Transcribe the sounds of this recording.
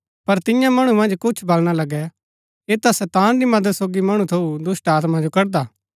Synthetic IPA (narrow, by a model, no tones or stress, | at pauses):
pɐɾt̪ɪjãmɐɽ̃umɐ̃nd͡ʒkʊt͡ʃʰbɐlɽ̃alɐɡɛ | eːt̪asɛt̪ãːnd̪imɐd̪əd̪soːɡimɐɽ̃ũt̪ʰɐud̪ʊsʈaːt̪mãd͡ʒokɐɾd̪aː